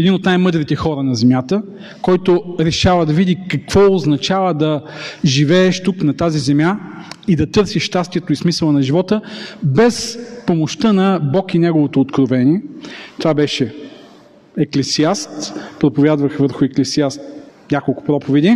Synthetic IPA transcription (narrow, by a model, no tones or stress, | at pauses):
ɛd̪inot̪najmɤd̪ɾit̪ɛxɔɾənɐzɛmʲjat̪ə | kɔjt̪oɾɛʃavəd̪ɐvid̪ikɐkv̥ɔoznɐt͡ʃavəd̪ɐʒivɛːʃt̪uknɐt̪azizɛmjaid̪ɐt̪ɤɾsiʃt̪ast̪iɛt̪oismisəlˠənɐʒivɔt̪əbɛspomoʃt̪ənɐbɔkinɛɡovot̪oːt̪kɾovɛnʲiɛt̪ovabɛʃɛ | ɛklɛsiast̪pɾopovʲjad̪vɐxvəɾxʊɛklɛsiast̪nʲakolˠkʊ̥pɾɔpovɛd̪i